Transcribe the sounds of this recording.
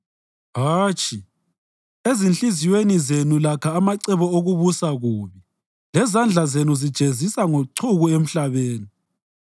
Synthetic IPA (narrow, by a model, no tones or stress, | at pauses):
ɦaːt͡ʃʼi | ezint͡ɬiziwenizenulakʰaːmaǀɛβɔoɣuβusaɣuːβi | lɛzand͡ɮʱazenuzid̥ʒ̥ʱezisaŋoǀʰuɣuem̩ɬaβeːni